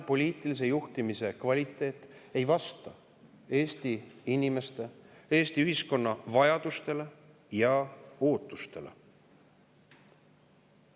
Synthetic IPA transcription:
po̞lʲiːt̪ˑilis̬e̞juht̪imise̞kvɑlʲit̪ˑːe̞ːt̪ːˑe̞jvɑst̪ɑ | e̞ːst̪iinʲime̞st̪e̞e̞ːst̪iyhisko̞nːɑvɑjɑd̪ust̪e̞le̞ | jɑo̞ːt̪ːˑu̥st̪e̞lḛ

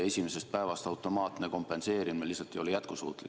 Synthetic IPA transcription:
e̞sʲime̞se̞stt̪pæevɑst̪ɑwt̪ːˑo̞mɑːt̪neko̞mpe̞nse̞ːɾimelːisɑt̪ːˑio̞lijæt̪kusṵːt̪li

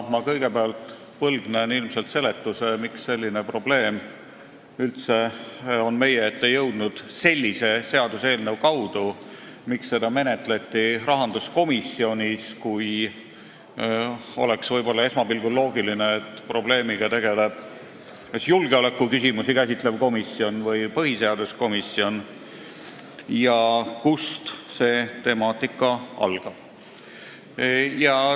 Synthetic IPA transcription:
mɑkɤ̞jɡe̞peɑlt̪ːˑ | pɤlɡnenilmse̞lt̪se̞le̞t̪ːuse̞mikse̞lʲːine̞pro̞ble̞ːm | ylt̪se̞o̞nme̞jeet̪ːejɤwd̪̥nud̪̥se̞lʲːise̞se̞ɑd̪̥use̞ːlnewkɑwd̪̥u | miksːe̞d̪ɑme̞net̪let̪ːˑiɾɑɦɑnd̪̥usko̞misːio̞nʲiskuj | o̞̰le̞ksvɤjb̥o̞lːɑe̞smɑbilɡ̥ulo̞ːɡ̥ilineːt̪ːpro̞ble̞ːmiɡ̥ɑt̪e̞ɡ̥e̞leb̥̚ | esjulɡ̥eo̞le̞kːˑukysimusikæs̬ʲit̪ˑle̞vko̞misːio̞nvɤjpɤɦise̞ɑd̪̥usko̞misio̞n | jɑkust̪se̞ːt̪e̞mɑːt̪ːˑikːˑɑɑ̰lɡ̥ɑ̥ | jɑ

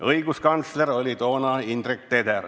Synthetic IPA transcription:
ɤjɡ̥uskɑnt̪sleɾo̞lʲit̪o̞ːnɑind̪rik̚t̪ed̪er

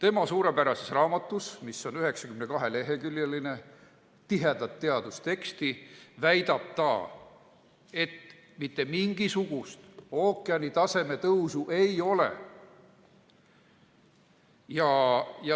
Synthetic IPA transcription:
t̪e̞mɑsuːɾepæɾɑsesrɑːmɑt̪ːˑusmisːo̞nyɦe̞ksɑ̥kymne̞kɑɦe̞le̞ɦe̞kylʲjeline̞ | t̪iɦe̞d̪ɑt̪ːe̞ɑd̪̥ust̪e̞kst̪ivæjd̪ɑb̥̚t̪ɑ̰ː | e̞t̪ | mit̪ːˑe̞miŋɡ̥isuɡ̥ust̪o̞ːkːˑeɑnit̪ɑse̞me̞t̪ɤwsuʔe̞jo̞le̞̰ | jɑjɑ

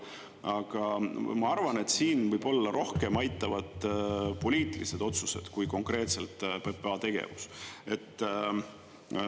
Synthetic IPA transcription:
ʔɑɡ̥ɑmɑɑrvɑne̞t̪siːnvɯjb̥o̞lːɑɾʔo̞hke̞mɑjt̪ːˑɑvɑd̪̥po̞lʲiːt̪ˑilise̞d̪̥o̞t̪su̥se̞̰d̪̥kujko̞ŋkre̞ːt̪se̞lt̪ˑpe̞peɑt̪e̞ɡ̥e̞̰vuse̞t̪ː

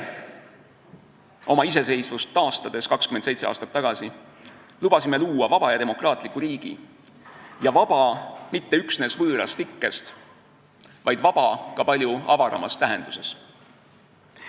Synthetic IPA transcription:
o̞mɑis̬e̞se̞jsvust̪ːɑːst̪ɑd̪̥e̞skɑkskymend̪sejtse̞ɑ̰ːst̪ɑ̥t̪ːɑɡ̥ɑsi | lub̥ɑsime̞luːɑvɑb̥ɑjɑd̪e̞mo̞krɑːt̪ˑlikːuɾiːɡ̥ḭ | jɑvɑb̥ɑmit̪ːe̞yksne̞ːsvɤːɾɑ̰st̪ikːe̞st̪ | vɑjd̪vɑb̥ɑkɑpɑlʲjuɑvɑɾɑ̰mɑ̰st̪æɦe̞nd̪̥use̞s

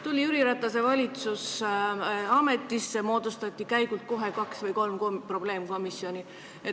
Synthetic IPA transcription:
t̪ulʲiyɾiɾɑt̪ːˑɑse̞vɑlʲit̪sus | ɑme̞t̪ːˑisːe̞mo̞ːd̪̥ust̪ɑt̪ʲːikæjɡ̥ult̪̚ko̞ɦe̞kɑksvɤjko̞lmkompro̞b̥le̞ːmko̞misjo̞nʲi | e

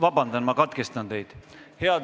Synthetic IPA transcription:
vɑbɑnd̪ɑnmɑkɑt̪kest̪ɑnt̪e̞jd̪̥ | heɑd̪

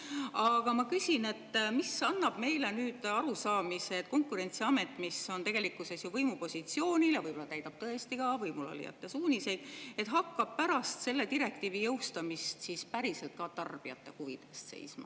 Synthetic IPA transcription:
ɑɡ̥ɑmɑkysʲine̞t̪ːmisɑnːɑb̥me̞jle̞nyːd̪̥ɑɾusɑːmiseːt̪ˑko̞ŋkuɾe̞nt̪siɑme̞t̪ːˑmisːo̞nt̪e̞ɡ̥elikːˑuse̞sjuvɤjmupo̞sʲit̪sio̞ːnʲilevɯjbolːɑt̪æjt̪ɑb̥̚t̪ɤ̞est̪iɡ̥ɑvɤjmulo̰lʲḭjɑ̰t̪ːˑe̞suːnʲise̞jd̪̥e̞t̪ɦɑkːɑb̥̚pæɾɑst̪se̞lːe̞t̪iɾe̞k̚t̪iːvijɤwst̪ɑmist̪sispæɾise̞lt̪̚kɑt̪ɑrb̥iɑ̰t̪ːˑe̞huvid̪̥e̞st̪se̞̰jsmɑ̰

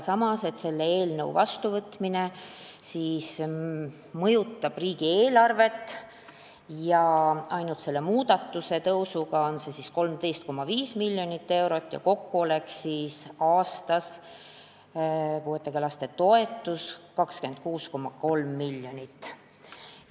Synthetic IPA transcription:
sɑmɑse̞t̪se̞lːeeːlnɤwvɑ̰st̪uvɤt̪mine̞ | siːs | mɤjut̪ːˑɑb̥riːɡ̥ieːlɑrve̞t̪ːˑ | jɑʔɑjnut̪se̞lːe̞muːd̪̥ɑt̪ːuse̞t̪ɤwsuɡɑo̞nse̞sisko̞lmd̪e̞jst̪̚ko̞mːɑviːsmilʲːjo̞nit̪ːe̞wɾo̞t̪ːˑjɑ̰ko̞kːuo̞le̞ksiːsɑːst̪ɑs | puhet̪ːekelɑst̪e̞t̪o̞e̞t̪ːˑuskɑkske̞nd̪̥̚kuːsko̞mːɑko̞lmːilʲjo̞nit̪ː

